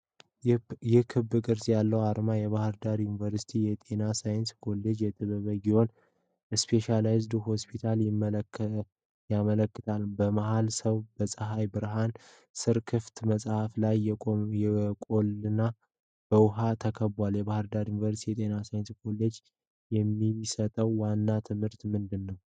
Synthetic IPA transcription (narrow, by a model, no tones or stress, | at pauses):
jɛhkʰɨbːɨkʼɨɾsjalːəwaɾmajɛβahɨɾd̪aɾjunivəɾsi̥t̪ʰijɛt̪ʼenasajɪnskʰo̞lːed͡ʒjɛt̪ʰʼɨβəβəɡiho̞n | ɛspʰe̞ʃalajzd̪uho̞spʰit̪ʰaljɪm | jamələkːɨt̪ʰalbəmaɦalsəwbəsʼəɦajbɨɾɦan | sɨɾkʰɨft̪məsʼhaflajɛkʼo̞lɨna | b̥əwʊɦat̪ʰəkʰəbaljɛβahɨɾd̪aɾjunvəɾsit̪ʰijɛt̪ʼe̞nasajnskʰo̞lːed͡ʒ | jɛmːisət̪ʼəwːanːat̪ʰɨmhɨɾt̪mɨnd̪ɨnːəw